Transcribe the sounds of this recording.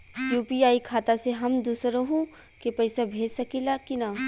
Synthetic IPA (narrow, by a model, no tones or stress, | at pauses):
juːpiaːikʰaːt̪aseɦɐmd̪uːsɾoɦũ | kepɐɪsabʱeːd͡ʒsɐkilakina